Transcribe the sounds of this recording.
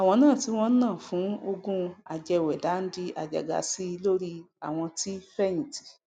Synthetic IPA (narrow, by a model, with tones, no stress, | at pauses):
a˨w̃ɔ̃˧nãː˦˨ti˨˦w̃ɔ̃˦nãː˦˨fũ˨˦o˧ɡũ˧a˨d͡ʒɛ˧wɛ˨da˨˦n̩˦di˧a̰˨d͡ʒa̰˨ɡa̰˨˦si˦˧lo˦ɾi˦ | a˨w̃ɔ̃˧ti˦fɛ˦j̃ĩ˨ti̥˨˦